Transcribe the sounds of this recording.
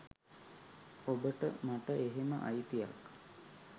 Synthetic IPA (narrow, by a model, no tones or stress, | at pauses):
obəʈə̰maʈəʔeɦemə̰ʔa̰jt̪ija̰k